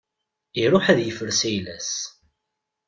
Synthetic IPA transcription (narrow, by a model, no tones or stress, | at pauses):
iɾˤʊħæðjəfəɾsæjlæs